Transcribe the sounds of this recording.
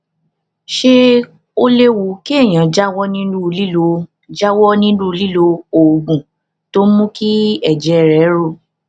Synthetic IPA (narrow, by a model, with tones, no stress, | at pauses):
ʃe˧ | o˧le˦wu˨˦ki˦ɛ˦˨j̃ã˨d͡ʒa˦wɔ˦nĩ˦nũ˦˧li˦lo˧ | d͡ʒa˦wɔ˦nĩ˦nũ˦˧li˦lo˧o˨ɡ͡bũ˨ | to˦mũ˦ki˦ɛ˦˨d͡ʒɛ˨˦˨ɾɛ˨˦ɾo˦˨